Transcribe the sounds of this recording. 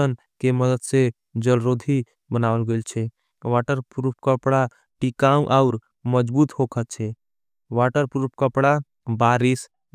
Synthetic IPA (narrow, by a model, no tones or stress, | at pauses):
ən | keməd̪əd̪se | d͡ʒəlɾod̪ʱi | bənawəlɡelt͡ʃʰɛ | ʋaʈəɾpuɾpʰkəpɽa | ʈikaũʔaʊɾ | məd͡ʒbuːt̪hokʰət̪̚t͡ʃʰɛ | ʋaʈəɾpuɾp̚ʰkəpɽa | baɾis